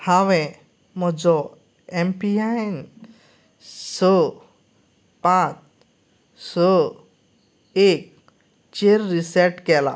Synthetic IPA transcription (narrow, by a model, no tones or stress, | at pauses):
hawɛ̃ | mɔd͡ʒɔ | empiajn | sɔ | pãt͡ʃ | sɔ | ek̚ | t͡ʃeɾːisɛʈkɛla̰